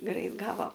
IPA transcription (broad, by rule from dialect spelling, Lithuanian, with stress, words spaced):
ˈɡrɐɪt ˈɡɑːʋoː